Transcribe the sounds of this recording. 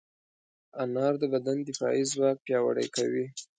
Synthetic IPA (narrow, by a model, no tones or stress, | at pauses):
anɑɾd̪əbad̪and̪ɪfɑ̰izwɑk̚pjɑwa̰ɽə̰jkawi